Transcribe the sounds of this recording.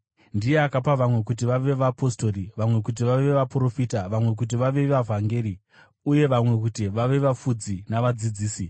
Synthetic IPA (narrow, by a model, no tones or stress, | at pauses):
ndije̞akapaʋamwe̞kut̬iʋaʋe̞ʋapo̞sto̞riʋamwe̞kut̬iʋaʋe̞ʋapro̞fiːtaʋamwe̞k̬ut̬iʋaʋe̞ʋavʱaŋɡe̞ːɾi | uje̞ʋamwe̞kutiʋaʋe̞ʋafud͡zinaʋad͡zid͡ziːsi